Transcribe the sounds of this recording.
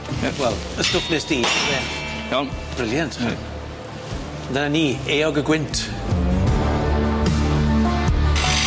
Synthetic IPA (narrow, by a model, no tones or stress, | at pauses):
wɛlˠ | əstʊpneːsd̥iːbɛ | jɔnb̥rɪljantʰa | dənaniːeːɔɡəɡwɪntʰ